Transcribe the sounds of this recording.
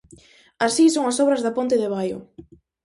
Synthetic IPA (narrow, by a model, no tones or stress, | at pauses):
asisoŋasɔβɾɐzðapont̪ɪðɪβ̞ajʊ̰